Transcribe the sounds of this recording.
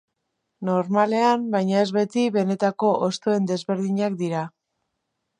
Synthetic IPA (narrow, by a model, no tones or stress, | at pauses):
no̞ɾmale̞ambajɲae̞zβe̞t̪iβe̞ne̞t̪ako̞ʔost̪oe̞nd̪e̞zβe̞ɾðiɲak̚d̪iɾa